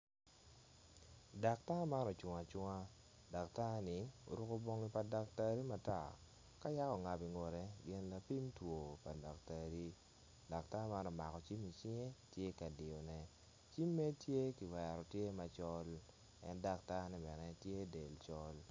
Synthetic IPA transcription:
da˨k̚ta˦ma˦nɔ˨t͡ʃʊ˨ŋa˨t͡ʃʊ˦ŋa˦ | da˨k̚ta˦nɪ˨˦o̰˨ɾu˦ko˦bo˦ŋi˦pa˨da˨k̚ta˦ɾi˦ma˨ta̰˦˨ | ka˦ja˦kɔ˨ŋa˨bi˨ŋo˨ɾɛ˦ɡɪ˨nla˨pi˦mtwo˨pa˨da˨k̚ta˨ɾi˦ | da˨kta˦ma˦nɔ˨ma˨kɔ˨t͡ʃi˦mi˨t͡ʃi˦ŋe˦tje˦ka˨dɪ˨ɔ˨nɛ˨˦ | t͡ʃi˦mːɛ˦tje˦ki˨wɛ˨ɾɔ˨tje˦ma˨t͡ʃɔ˦l | ɛ̰˦nda˨k̚ta˦nɛ˦bɛ˨nɛ˦tje˦de˨lt͡ʃɔ˦l

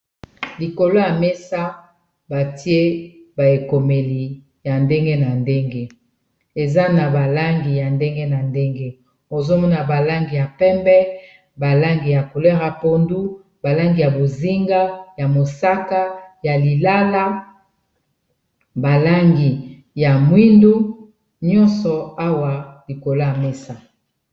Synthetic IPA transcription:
li˨ko˨lo˦ja˨me˦sa˦ | ba˨ti˦e˦ba˨e˨ko˨me˨li˨ | ja˨nde˦ŋɡe˦na˨nde˦ŋɡe˦ | e˨za˦na˨ba˨la˦ŋɡi˨ja˨nde˦ŋɡe˦na˨nde˦ŋɡe˦ | o˨zo˦mɔ˦na˨ba˨la˦ŋɡi˨ja˨pɛ˦mbɛ˦ | ba˨la˦ŋɡi˨ja˨ko˨lɛ˦ʁa˨po˦ndu˦ | ba˨la˦ŋɡi˨ja˨bo˨zi˦ŋɡa˦ja˨mo˨sa˦ka˦ja˨li˨la˦la˦ | ba˨la˦ŋɡi˨ | ja˨mwi˦ndu˦ | ɲɔ˦nsɔ˨a˦wa˨li˨ko˨la˨me˦sa˨

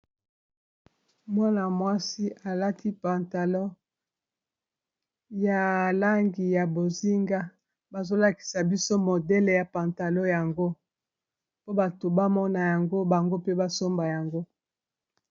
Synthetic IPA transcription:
mwa˦na˨mwa˦si˦ʔa˨la˦tʰi˦pa˨nta˨lo˦ | ja˨la˦ŋɡi˨ja˨bo˨zi˦ŋɡa˦ | ba˨zo˦la˦ki̥˨sa˨bi˦so˦mo˨dɛ˦le˨ja˨pa˨nta˨lɔ˦ja˨ŋɡo˦ | po˦ba˨to˨ba˦mɔ˦na˨ja˨ŋɡo˦ba˨ŋɡo˦pe˦ba˦so˦mba˨ja˨ŋɡo˦

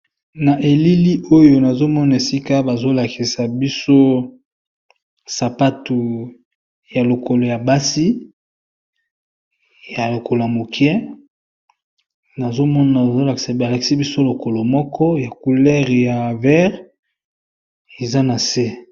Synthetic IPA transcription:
na˨ʔe˨li˦li˦ʔo˦jo˨na˨zo˦mɔ˦na˨e˨si˦ka˦ba˨zo˦la˨kʰi˨sa˨bi˦so˦ | sa˨pa˦tu˨ | ja˨lo˨ko˨lo˨ja˨ba˦si˦ | ja˨lo˨ko˨lo˨a˨mo˨kjɛ˦ | na˨zo˦mɔ˦na˨zo˦la˨ki̥˨sa˨a˨la˨ki̥˨sa˦bi˦so˦lo˨ko˨lo˨mɔ˦kɔ˦ja˨ku˨lɛ˦ʁja˨vɛ˦ʁ | e˨za˦na˨se˦

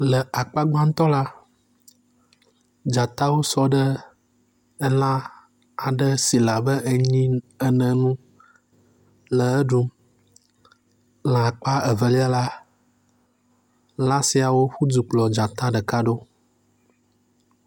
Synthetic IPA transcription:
lə˨a˨k͡pa˦ɡ͡ba˦ŋ̩˦t̪ɔ˦la˦ | d͡ʒa˨t̪a˦wo˦sɔ˦ɖə˦ | ɛ˦lã˦ | a˨ɖə˦si˨la˨bə˦ʔɲĩ˦ə˦nə̃˨nũ˦ | lə˨ə˦ɖu˦ | lã˨k͡pa˦ə˨və˨li˦a˦la˦ | lã˦si˦a˨wo˦ɸu˦d͡zu˨k͡plɔ˨d͡ʒa˨t̪a˦ɖə˨ka˦ɖo˦

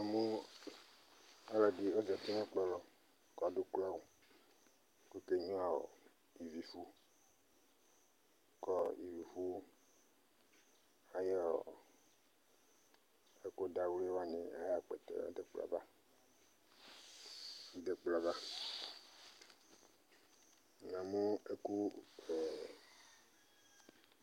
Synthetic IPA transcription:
a˨mũ˦ | a˦la˨ɖi˨o˦d͡ʒe˨t̪i˦mã˦k͡plɔ˦lɔ˨ | kɔ˨ɖu˦kla˦wo˨˦ | ke˦ke˦ɲũ˦a˨wo̰˨ | i˨vi˨fu˦ | kɔ˦ḭ˨vi˨vu˦ | a˨je˦o̰˨ | e˦ko˦da˦wle˦wa˨nɛ̰̃˨a˦ja˨k͡pḛ˨t̪ḛ˦˨a̰˦de˨k͡pla̰˨va˦ | ji˦ɖe˨k͡pla˨va˦ | nã˨mu˦e˦ku˦e˨

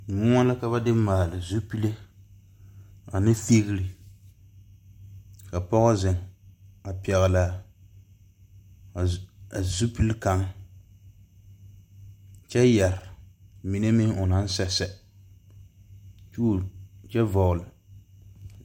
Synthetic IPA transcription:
ŋu˦ŋa˦la˦ka˦ba˦dɪ˦maː˨lɨ˨zu˦pi˦le˦ | a˨nɨ˦fe˦ɣɪ˦li˨ | ka˨pɔ˦ɣɔ˦zɪ˨ŋa˨pɛ˨ɣa˨la˦˨ | a˨zu˦pi˦lka˦ŋ | t͡ʃɛ˦ja˨ɾɪ˨mi˨ne˦mi˦ŋʊ˨na˦n̩˦sɛ˨sɛ˨ | t͡ʃu˦˨t͡ʃɛ˦vɔ˨ʔlɨ˨

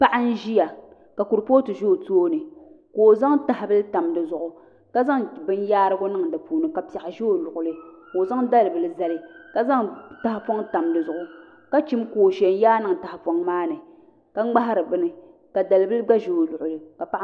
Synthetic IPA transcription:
pa˦ʔa˦n̩˦ʒi˦ja˨ | ka˨ku˨ɾpoː˦tɨ˨ʒo˦˨toː˦nɨ˨koː˨za˦ŋta˨ha˨bɨ˦lɨ˦ta˨mdɨ˨zʊ˨ʔʊ˨ | ka˦za˦ŋbɨ˦n˦jaː˦ɾɨ˦ɡʊ˦nɨ˦ŋdɨ˨puː˨nɨ˨ka˨pa˨a˨ʒo˦o˦˨lʊ˨ʔʊ˨lɨ˦ko˨za˦ŋda˦lɨ˨bɨ˨lɨ˨za˦lɪ˨ka˨za˦ŋta˦hfo˦ŋta˨mdɨ˨zʊ˨ʔʊ˨ | ka˦t͡ʃi˦mkoː˨ʃɛ˨n˦jaː˦nɨ˨ŋ˨ta˨ha˨fo˦ŋmaː˦nɨ˨ | ka˦ŋ͡mɡ͡ba˦ɦa˦ɾɨ˨bɨ˦nɨ˨ | ka˨da˨lɨ˨˦bɨ˦lɨ˦ɡ͡ba˦ʒo˨o˨lʊ˨ʔʊ˨lɨ˨ka˨pa˦ʔ

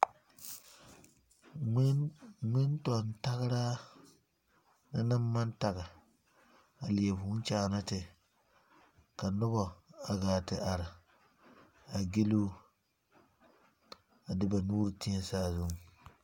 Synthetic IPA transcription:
ŋɪ˦ntɔ˨nta˦ɣɾa˦ | na˦na˦mː˦a˦nta˨ɣa˨ | a˨li˨e˨bʊ˦n˦t͡ʃaː˨na˦tɪ˨ | ka˨nʊ˦bɔ˨a˨ɡaː˨tɪ˨ʔa˨ɾɪ˨ | a˨ɡe˦lu˦ | a˨dɪ˦ba˨nuː˦ɾti˦ɛ˦saː˦zʊ˦ŋ˨

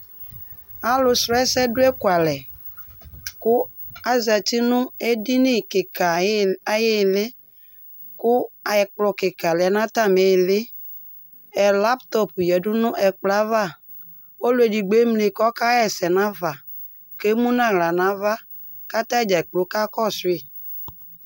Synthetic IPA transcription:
a˨lʊ˨sɾɔ˦ɛ˦sɛ˦dʊ˦ɛ˦ku˨a˨lɛ˨ | kʊ˦ | a˦zɛ˨t̪i˦nʊ̃˦e˦di˦ni˦kɪ˨ka˨˦je˦˨lɪ˦ | kʊ˦a˨ɛ˨k͡plɔ˨kɪ˨ka˨lɛ˨ɛ˨nã˦t̪a˦me˨lɪ˦ | ɛ˨la˦pt̪ɔ˦pjɛ˨ɖʊ˦nʊ̃˦ʔɛ˨k͡pla˦va˦˨ | wo˦lʊ˦e˨di˨ɡ͡be˨˦mle˨kɔ˦ka˦ɛ˨sɛ˨nã˦va˨ | ke˦mũ˦nã˦˨ɣla˨nã˨˦va˦ | ka˦t̪a˦d͡ʒa˨k͡plo˨˦ka˦kɔ˦sʊ˦e˨

